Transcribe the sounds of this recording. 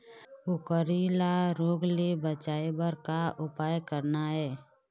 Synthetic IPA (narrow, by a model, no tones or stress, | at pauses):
ʊkəɾilaɾoːɡlebət͡ʃaːebəɾkaʊpaːjkəɾnaɦɛː